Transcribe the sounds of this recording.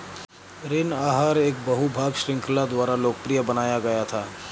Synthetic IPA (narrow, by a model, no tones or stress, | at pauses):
ɾɪnaːɦaːɾeːk̚bɐɦubʱaːɡʃɾɪ̃ŋklad̪waːɾaloːkəpɾijəbɐnaːjaɡɐjat̪ʰaː